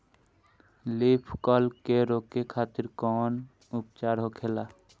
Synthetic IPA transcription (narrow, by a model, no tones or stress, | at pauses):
lipʰkɔlkeɾokekʰaːt̪ɪɾkɔːn | upt͡ʃaːɾɦokʰela